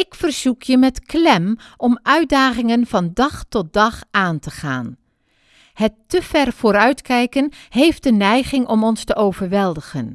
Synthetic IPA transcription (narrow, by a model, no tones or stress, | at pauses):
ɪkfərz̥ukʰjəmɛtklɛmʔɔmʔœɥt̚daːχɪŋənvɑndɑχtɔt̚dɑχʔaːntəχa̰ːn | hətːəv̥ɛrv̥oːɾœɥtkɛjkənɦejf̚dənɛjχɪŋʔɔmɔnstəʔowvəɹʋɛlˠdəχən